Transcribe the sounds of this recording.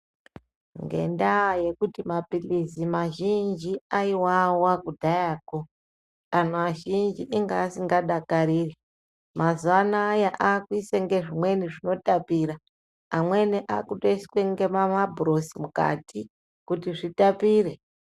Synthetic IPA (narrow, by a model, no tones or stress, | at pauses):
ŋɡe̞̰ndaje̞kutimapilizimaʒind͡ʒiaiwawakudʱajako | an̤uaʒind͡ʒiʔiŋɡasiŋɡaɗakaɾiːri | mazanajaʔakwiseŋɡe̞ʐimwe̞niʐino̞tapiːɾaː | mweneʔakutoskweŋɡe̞mamabʱro̞simuka̰tʰi | kutiʐitapiːre